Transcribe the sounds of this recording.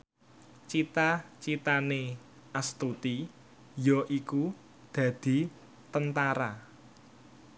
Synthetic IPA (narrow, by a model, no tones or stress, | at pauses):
t͡ʃit̪at͡ʃit̪ane | ast̪ut̪i | jɔʔiku | d̪̥ä̤d̪̥i̤ | t̪ənt̪aɾa